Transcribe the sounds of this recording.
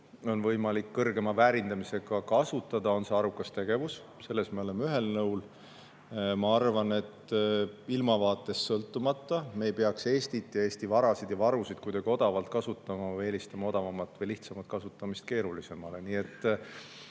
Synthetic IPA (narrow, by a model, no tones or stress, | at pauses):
o̞nvɤjmɑlikːɤrɡ̥e̞mɑvæɾind̪̥ɑmise̞ɡ̥ɑkɑsut̪ːˑɑd̪̥ɑo̞nseɑɾukːˑɑst̪e̞ɡ̥e̞vus | se̞lːe̞smeo̞le̞meyɦe̞lnɤwl | mɑɑrvɑne̞t̪ | ilmɑvɑːt̪ːˑe̞sːɤlt̪ːˑumɑt̪ːˑɑme̞jpe̞ɑkse̞ːst̪it̪ːjɑe̞ːsʲt̪ivɑɾɑsid̪̥jɑvɑɾusid̪̥kujd̪eɡ̥io̞d̪̥ɑvɑlt̪̚kɑsut̪ːˑɑmɑeːlist̪ɑmɑo̞d̪ɑvɑmːɑt̪ːvɤjliht̪sɑmɑt̪̚kɑsut̪ːˑɑmist̪̚ke̞ːɾulise̞mɑle̞niːe̞t̪ː